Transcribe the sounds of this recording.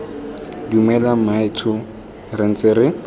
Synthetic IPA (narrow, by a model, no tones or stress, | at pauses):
diumɛlamaɪtʰʊ | rɪn̩t͡sɪɾɪ